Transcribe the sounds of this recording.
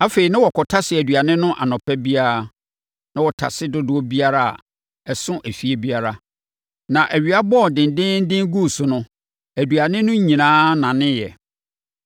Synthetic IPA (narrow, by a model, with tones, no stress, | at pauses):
a˦fe˨i˨nã˦wɔ˨kʰɔ˨tʰa˦sɪ˨æ˨dɥa˨nɪ̃˦nʊ̃˦ʔa̰˨nɔ̃˨pʰɛ˦bi˦a˦ɾa˨ | nã˦wɔ˨tʰa̰˨sɪ˦dʊ˦dʊ˨˦ɔ˦bi˦a˦ɾa˦a̰˨ | ɛ˨sʊ̃˦ʔæ˨fi˦e˦bi˦a˦ɾa˦ | nã˨ʔæ˨ɥi˨a˦bɔ˦˨dɪ̃˨n̩˨dɪ̃˦n̩˦dɪ̃˦ŋ˦ɡu˦˨sʊ˨nʊ̃˦ | æ˨du˨a˨nɪ̃˦nʊ̃˦ɲĩ˨nãː˦nã˨nɪ̃˦jɛ̰˨